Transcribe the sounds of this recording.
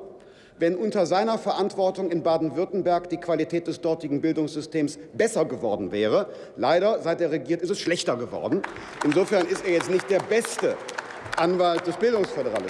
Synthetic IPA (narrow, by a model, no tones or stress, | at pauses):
vɛnʔʊntɐzaɪnɐfɛɐʔantv̥ɔɐtʊŋɪnbaːdn̩vʏɐtn̩bɛɐkd̥iːkv̥alitʰɛːt̚d̥ɛsd̥ɔɐtɪɡŋ̩bɪldʊŋsz̥ʏstʰeːmsb̥ɛsɐɡəvɔɐdn̩vɛːʁ̞ə | laɪɾɐzaɪt̚d̥eːɐʁeɡiːɐtɪstɛsʃlɛçtɐɡəvɔ̰ɐdn̩ | ʔɪnzoːfɛɐnɪsteːɐjɛt͡stnɪçt̚d̥eːɐbɛstə | ʔanvalt̚d̥ɛsb̥ɪldʊŋsfødəʁalɪ